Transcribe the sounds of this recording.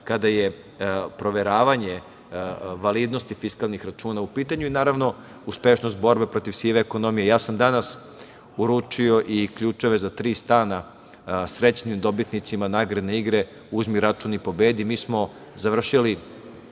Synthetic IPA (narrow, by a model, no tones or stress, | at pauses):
kad̪aje | pɾo̞ʋeɾaːʋaɲe | ʋaliːd̪nost̪ifiskalˠnixɾat͡ʃuːnaupiːt̪aɲuinaːɾaʋno̞ | uspeʃno̞s̬t̪̚bo̞ɾbe̞pɾo̞t̪iʋsiʋeːko̞no̞mijejaːsamd̪anas | uɾut͡ʂio̞ʔikʎuːt͡ʃe̞ʋe̞zat̪ɾiːst̪aːna | sɾe̞t͡ɕnimd̪o̞bit̪nit̪simanaːɡɾad̪neiɡɾe | uzmiɾat͡ʃunipo̞be̞ːd̪imiːsmo̞ | zaʋr̩ʃili